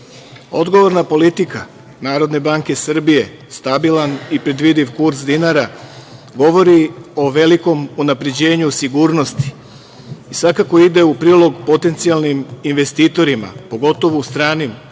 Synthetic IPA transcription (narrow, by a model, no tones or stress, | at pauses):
o̞d̪ɡo̞ʋo̞ɾnapo̞lit̪ika | naːɾo̞d̪ne̞baŋke̞sr̩bije̞ | st̪abilanipɾe̞d̪ʋid̪iʋkuɾsd̪inaɾa | ɡo̞ʋo̞ɾio̞ʋe̞liko̞munapɾe̞d͡ʑe̞ːɲusiɡuːɾno̞st̪i̥ː | sʋakako̞id̪e̞upɾiːlˠo̞ɡpo̞t̪e̞nt̪sialˠniminʋe̞st̪iːt̪o̞ɾima̰po̞ɡo̞t̪o̞ʋost̪ɾaːnim